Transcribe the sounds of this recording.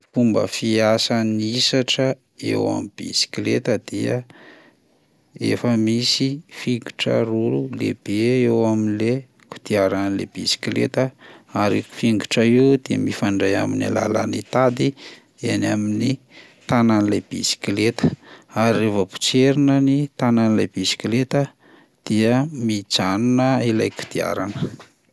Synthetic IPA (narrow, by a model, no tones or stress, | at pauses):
fumbə̰fiasaniisaʈ͡ʂə | ḛwa̰mib̥ḭsi̥klet̪əd̪̥iə | ḛfəmisifiŋɡu̥ʈ͡ʂə̰ɾululḛb̥eewaminle | ku̥t̪iaɾanilḛb̥isi̥klḛt̪əaɾifiŋɡuʈ͡ʂəewd̪̥iə̰mifaɳɖ͡ʐaja̰mina̰la̰la̰nit̪ad̪i | enamini | t̪ananilajb̥ḭsi̥kilet̪ə̥aɾievəpu̥t͡ʃeɾunənit̪ananilajb̥isi̥kilet̪ə | d̪̥iəmid͡ʒanunəila̰jku̥d̪̥ia̰ɾanə